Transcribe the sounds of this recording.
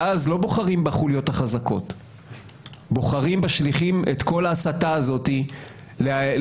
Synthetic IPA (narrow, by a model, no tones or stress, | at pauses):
azlo̞bo̞χaʁimbaχuljo̞taχazako̞̰t | bo̞χaʁimbaʃliχimet̪ko̞laːsataːzo̞t̪i | le